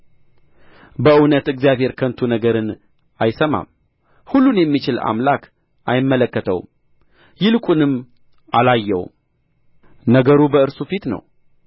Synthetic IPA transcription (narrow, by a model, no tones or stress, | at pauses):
bəɨwnət̪ɨɡzjaβhe̞ɾkʰənt̪ʰunəɡəɾɨn | ʔajsəma̰m | hulːunjɛmːit͡ʃɪla̰mlak | ʔajɪmːələkːət̪ʰəw | jɪlɨkʼunɨm | ʔalajːɛ̰w | nəɡəɾubəɨɾsufit̪nə̰w